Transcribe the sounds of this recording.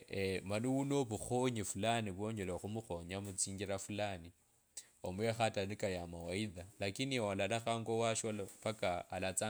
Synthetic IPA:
emaniwunoβuxoɲifulaniβoɲd͡ʒeloxumuxoɲamut͡siːɲɡiɾafulani | omwexatanikajamawaiðalakinialalaxaːŋɡowaʃolapakaːlat͡sa

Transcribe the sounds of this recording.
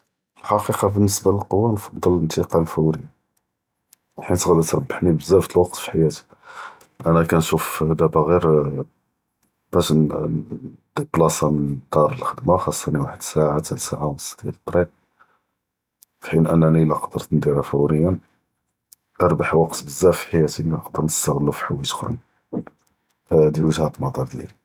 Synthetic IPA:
əlħɑqiqɑbənːəsbaləlqowːanfɑd̪ˤːɑlənt̪iqɑllfəwɾəjːa | wħint̪ɣlːət̪ɾˤɑbːəħnibəzːæfət̪əlwɑqt̪fi̥ħajæt̪i̥ | ʔænækænʃufd̪æbaɣiɾ | b̥æʃ | t̪iblɑsˤɑmənd̪ɑɾˤəlxəd̪maxɑsˤːɑniwaħəd̪saʕat̪ʰæsaʕawnəsːɑ̥d̪jælət̪ˤːɾiq̚ | fħinʔænːænilæqɑd̪əɾt̪nd̪iɾafəwɾəjːæn | ʔɑɾˤbaħwɑqt̪bəzːæfi̥ħajæt̪iiqd̪əɾnəst̪əɣlːufi̥ħawːit̪ə̥xɾ̰n | d̪ilwəʒhæbəlmɑt̪ˤɑɾˤd̪jæ̰l

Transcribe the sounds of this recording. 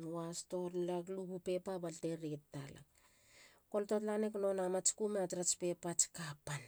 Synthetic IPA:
nuwasto̞ɾlakluɡupe̞pabalteɾettːala̰ | ko̞ltotlaneklo̞namat͡ʃkumeatɾat͡ʃpe̞pat͡ʃkapan

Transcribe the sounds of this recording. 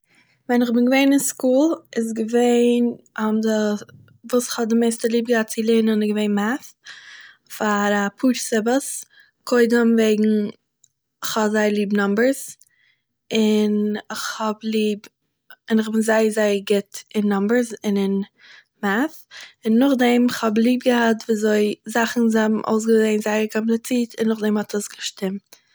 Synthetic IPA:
vɛnɪχbɪnɡəveɪnɪnskuːlˠɪs̬ɡəveɪnɔbdə | vuːsɪ̥χhɔdɪmeɪstəlˠiːb̚ɡəat̚t͡sɪlˠɪnənɪɡəveɪnmaθ | faɾapʰuːɾsɪbəs | kʰoɪdəmveɪɡŋ̩ | ɪχhɔbzaɪəlˠiːbnɔmbəɾz | ɪnɪχhɔblˠiːb | ɪnɪχbɪnzaɪəɾzaɪəɾɡɪtɪnːɔmbəɾzɪnɪn | maθɪnːʊχdɛmɪχhɔblˠiːb̚ɡəhatviːzoɪzaχn̩zabm̩ʔo̰ʊs̬ɡəzeɪnzaɪəɾkʰɔmp̬lˠɪt͡siːtʰɪnːʊχdɛmhɔtɔsɡəʃtɪmt

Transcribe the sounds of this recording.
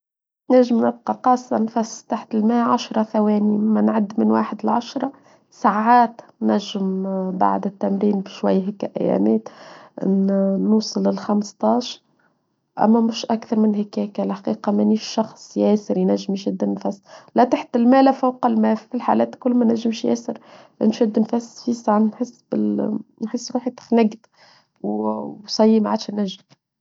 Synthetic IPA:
næʒːɪmnɪb̚qɑqɑːsˤːɑnfæst̪aħt̪ɪlmæːʕaʃɾˤɑθæwɛːnimænʕad̪ːmɪnwa̰ːħəd̪ɪlʕaʃɾˤɑ | saʕaːt̪ | nnæʒːɪmba̰ʕd̪ɪt̪ːæmɾiːnbʃwæjːɦækːæʔæ̰jːæ̰mæːt̪ʔnnuːsˤɨlɪlxɑmst̪ˤɑːʃɾ | ʔæ̰mːæmʊʃʔækθɑɾˤmɪnhækækælħaqiːqɑmæniːʃʃɑxsˤjɛːsəɾjnæʒːɪmʃæd̪ːɪnnfæsːlæt̪aħt̪ɪlmæːlæfawqɑlmæːffilħalæːt̪kʊlːmænæʒːəmʃjɛ̰ːsəɾ | ʔɪ̰nʃæd̪ːnfæsfisaʕnnħəsːbɪlnħəsːɾuːħit̪xnæɡt̪ | wsˤɑjːimʕaːd̪ʃænːæʒːɪm

